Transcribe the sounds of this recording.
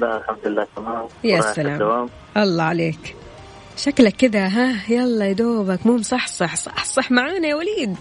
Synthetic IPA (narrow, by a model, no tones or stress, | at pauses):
laʔalħamd̪ʊlːaːt̪amaːmjaʔsːalaːmawaːm | ʔɑlˤːɑʕaleːk | ʃaklakːɪd̪aɦajɑlˤːɑjd̪oːbakmuːmsˤɑħsˤɑħsˤɑħsˤɑħmaʕaːnajawaliːd̪